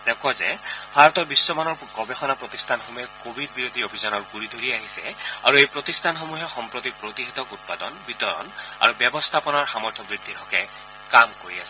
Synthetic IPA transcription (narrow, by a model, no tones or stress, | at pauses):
d̪ɛkazɛ̰bʱaɹɔt̪ɔɹbisːɔmanɔɹɡɔbexɔnapɹot̪istʰanxomuɦɛkobʱid̚biɹod̪ʱiobʱizɔnɔɹɡuɹid̪ʱoɹiaɦisɛ̰a̰ɹuejpɹot̪ist̪ʰanxomuɦɛxɔmpɹot̪ipɹot̪iɦɛt̪ɔkut̚padɔnbit̪ɔɹɔ̰na̰ɹubɛbɔst̪ʰapɔnaɹxamɔɹt̪ʰɔbɹid̪ʱːiɾʰʱɔkɛ | kamkoɹia̰sɛ